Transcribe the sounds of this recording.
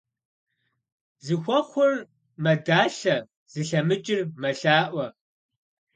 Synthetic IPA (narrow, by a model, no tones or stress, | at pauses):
zɨxʷɔχʷʊr | mɐdaːɬɐ | z̥ɨɬɐmɨt͡ʃʼɪrmɐɬaːʔʷɐ